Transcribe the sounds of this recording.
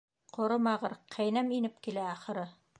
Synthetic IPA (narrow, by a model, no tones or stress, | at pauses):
qŏɾɤmɑʁɤɾqʰæjnæminɘp̚kilæːχɤ̆ɾɤ